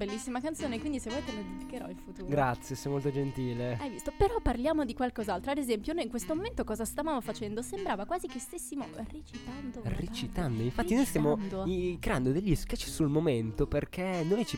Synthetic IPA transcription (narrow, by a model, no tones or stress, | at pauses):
belːisːimakant̪soːnekwind̪isevɛjt̪elad̪id̪ikːeɾɔ̰ilfut̪uːɾɡɾat̪sːjesɛjmolt̪od͡ʒent̪iːleajvist̪opeɾɔpːarljaːmod̪ikwalkɔzalt̪ɾoad̪ezɛmpjonojiŋkwest̪omoment̪okɔːzast̪avaːmofat͡ʃɛnd̪osembɾaːvakwaːzikest̪esːimo̰ret͡ʃit̪and̪oret͡ʃit̪and̪oiɱfat̪ːinojst̪jamond̪oikɾeand̪od̪eʎːiskat͡ʃisulmoment̪operkʰɛnːojt͡ʃi